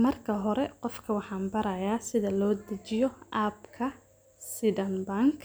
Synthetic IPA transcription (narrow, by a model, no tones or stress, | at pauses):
mɐrkʰɐɦɔɾɛqɔfkʰɐwɑħɑːmbɐɾɐjaːsɪðɐlɔːd̪ɐt͡ʃɪjɔaːbkʰɐ | sɪðɐnbɐŋkʰ